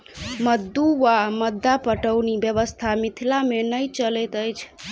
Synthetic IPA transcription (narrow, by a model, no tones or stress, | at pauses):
məd̪ːuʋaməd̪ːapəʈəʊnibjəβəst̪ʰamit̪ʰilamenəjt͡ʃəlɛt̪əjt͡ʃʰ